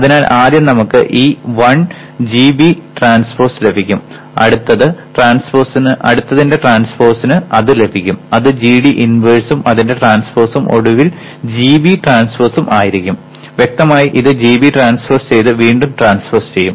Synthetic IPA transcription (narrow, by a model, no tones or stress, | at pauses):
ɐðinaːlʔaːd̪jɐnɐmukːɨ̰ʔiːʋɐɳ | d͡ʑiːbiʈraːnsfoːsle̞bʱikʲːum | ɐ̰ɽut̪ːɐðɨʈraːnsforsinɨʔɐ̰ɽut̪ːɐðinde̞ʈraːnsfoːrsinɨɐðɨle̞bʱikʲːumɐðɨd͡ʑiːɽiʔinʋeɻsumʔɐðinde̞ʈraːnsfoːrsumʔo̞̰ɽuʋil | d͡ʑiːbiʈraːnsfɐːsumʔaːjiɾikʲːum | ʋjek̚t̪ɐmaːjiʔiðɨd͡ʑiːbiʈraːnsfɐrst͡ɕe̞jt̪ɨʋiːɳɖumʈraːnsfɐːrst͡ɕe̞jːum